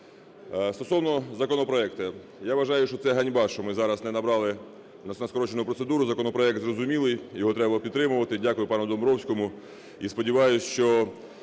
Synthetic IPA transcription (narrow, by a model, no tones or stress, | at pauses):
st̪ɔsɔwnɔzɐkɔnɔpɾɔɛkt̪ɛ | jaʋɐʒɑjʊʃt͡ʃɔt̪sɛɦɐnʲbɑʃɔmɪzɑɾɐsnɛnɐbɾɑlˠɪ | nɐsnɐskɔɾɔt͡ʃenʊpɾɔt̪sed̪uɾʊzɐkɔnɔpɾɔɛk̚t̪zrɔzʊmʲilˠɪjjɔɦɔt̪ɾɛbɐpʲid̪t̪ɾɪmʊʋɐt̪ɪdʲakʊjʊpɑnʊd̪ɔmbɾɔwsʲkɔmʊ | ispɔdʲiʋɑjʊsʲʃt͡ʃɔ